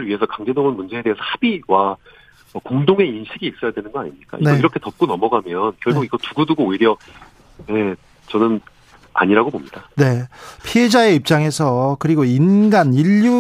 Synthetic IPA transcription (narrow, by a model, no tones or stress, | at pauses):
ɯɭɥiɦe̞sʰʌkaŋd͡ʑe̞doŋɯnmund͡ʑe̞ːdeesʰʌhab̥iwa | ʌkoŋdoŋe̞inɕʰiɡiːk̚s͈ʌjadwe̞nɯnɡʌaɲimɲik͈a̰ineiɾʌkʰe̞tʌp̚k͈onʌmʌɡamjʌnkjʌɭɡuɡiɡʌtuɡuduɡoːiɾjʌ | je | t͡ɕʌnɯn | a̰ɲiɾaɡobomɲidane̞pʰie̞d͡ʑae̞ip̚t͡ɕ͈aŋe̞sʰʌkɯɾiɡoinɡaniʎːu